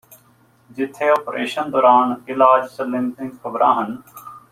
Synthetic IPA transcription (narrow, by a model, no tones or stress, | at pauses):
d͡ʒɪt̪ʰeːoːpɾʔeːʃənd̪ɔːɾaːnɪlaːd͡ʒsəlɪmzɪ̃ŋɡkʰɐbɾʔã̰ːɦən